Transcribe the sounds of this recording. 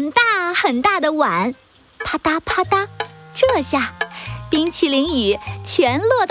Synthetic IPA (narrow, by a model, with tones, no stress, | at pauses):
nt̪a˥˩xə˨˩nt̪a˥˩d̪ə˩wa˨˩˦n | pʰa˥t̪a˥pʰa˥t̪a˥ʈ͡ʂɤ˥˧ɕja˥˩pi˥ŋt͡ɕʰi˧˥˩li˧˥ŋy˨˩˦t͡ɕʰjɛ˧˥nlwɔ˥˧t̪